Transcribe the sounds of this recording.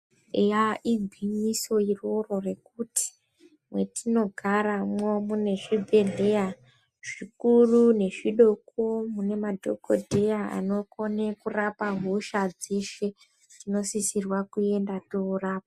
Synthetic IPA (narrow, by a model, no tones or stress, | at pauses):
ejaʔiɡʱwimiso̞iroro̞rekuti̥ | mwe̞tino̞ɡʱaɾamomune̞ʐibʱe̞ɮe̞ja | ʐ̥ikurune̞ʐiɗokomune̞madʱo̞̰kodʱe̞jaa̰no̞ko̞nekurapaɦuʃad͡ze̞ʃe̞ | tino̞sisirwakue̞ndatouraːpa